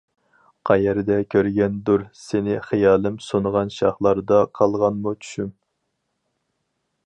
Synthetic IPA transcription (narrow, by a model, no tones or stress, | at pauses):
qʰɑjæɾd̪ɛkʲʰøɾɡʲɛnd̪uɾsɪnɪχijɑːlˠɪmsonʁɑnʃɑχlˠɑɾd̪ɑqʰɑlˠʁɑnmut͡ʃʰy̥ʃym